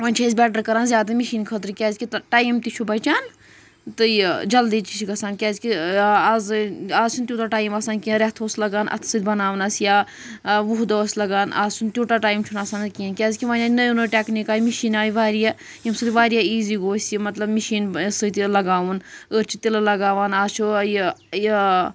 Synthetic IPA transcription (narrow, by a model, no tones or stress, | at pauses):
ʋaːnʲt͡ʃʰɐːsʲbʲɛːʈ̬əɾkɐɾaːnzʲjaːd̪amiʃiːnkʰət̪̬ɾkʲɛːzkit̪ʈaːjimt̪it͡ʃʰubɐt͡ʃaːn | t̪ɨd͡ʒɐld̪iːt͡ʃ̪it͡ʃʰikɐsaːnkʲɛːzkiazaːzt͡ʃʰunt̪juːt̪aːʈaːjimɐsaːnkĩɾet̪ʰoːslɐɡaːnʔɐ̰t̪ʰsɨd̪ʲbɐnaːʋnaːsjaː | ʋuɦd̪oːslɐɡaːna̰ːzt͡ʃʰunt̪juːʈaːʈaːjmt͡ʃʰunasaːnkiankʲaːzkiʋaːnaːnɐjunoʈʲeknikaːjimiʃiːnaːjiʋaːɾija | jimsɨt̪iʋaːɾijaːiːziːɡoːsʲimɐt̪lɐbmiʃiːnsɨt̪ilɐɡaːʋunəɾt͡ʃʰit̪ilɐlɐɡaːʋaːnaːzt͡ʃʰuj